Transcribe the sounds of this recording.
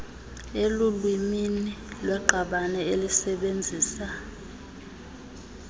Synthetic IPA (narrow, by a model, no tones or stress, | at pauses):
elulwiminilwɛǃʱaɓanɛelisɛɓend͡zʱiːsa